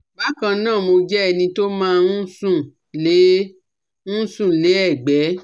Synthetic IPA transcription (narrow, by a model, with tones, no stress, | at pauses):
ba˨˦kã˧nãː˦˨mo˧d͡ʒɛ˦ɛ˧nĩ˧to˦mãː˦nũ˦sũ˦˨ | le˨˦ | ñ̩˦sũ˦˨le˨˦ɛ˦˨ɡ͡bɛ˨˦